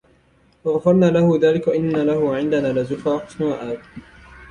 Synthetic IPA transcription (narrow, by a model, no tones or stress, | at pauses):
wɑɣfɑɾˤnaːlahʊðaːlɪkaʔɪnːalahʊʕɪnd̪anaːlazʊfaːqsnɪwaʔaːd̪